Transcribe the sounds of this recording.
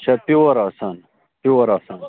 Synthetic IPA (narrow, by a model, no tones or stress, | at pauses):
t͡ɕʰɐpiwɐɾaːsan | piwɐɾaːsaːn